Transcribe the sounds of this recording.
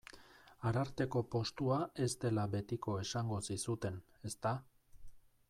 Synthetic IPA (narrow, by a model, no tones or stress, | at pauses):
aɾaɾt̪e̞ko̞po̞st̪uae̞zt̪e̞laβe̞t̪iko̞e̞saŋɡo̞sisut̪e̞ne̞st̪a